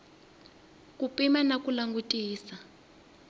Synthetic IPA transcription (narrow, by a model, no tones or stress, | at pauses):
k̬ʼupʼimanakʼulaŋɡutʼiːsa